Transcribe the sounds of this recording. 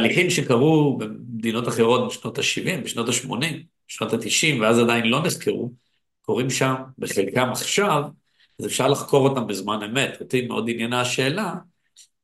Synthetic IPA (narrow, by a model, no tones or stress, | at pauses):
taliχimʃekaʁubemd̪ino̞taχe̞ʁo̞t̚biʃno̞t̪aʃivimbeʃnotaʃmo̞nim | beʃnotat̪iʃimveazadajinlo̞niskeʁu | ko̞ʁimʃambeχelkamaχʃav | aze̞fʃaʁlaχko̞ʁo̞tambezmane̞me̞totimeʔo̞dinjenaʃe̞ːla